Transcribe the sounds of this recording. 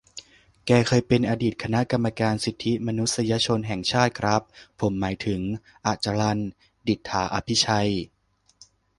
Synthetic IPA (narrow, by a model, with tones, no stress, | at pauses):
kɛː˨˧˩kʰɤː˧jpe˧nʔaː˧diː˨˩t̪̚kʰa˧na˦˥ka˧mːa˧kaː˧nsi˨˩t̪ʰːi˦˥ma˧nu˦˥t̪̚sa˧ja˧t͡ɕʰo˧nɦɛ˨˩ŋt͡ɕʰaː˥˩t̪̚kʰɾa˦˥p̚ʰːo˩˦mːaː˩˦jt̪ʰɯ˩˦ŋ | ʔa˨˩t͡ɕa˧la˧n | di˨˩t̪ʰːaː˩˦ʔa˧pʰi˦˥t͡ɕʰa˧j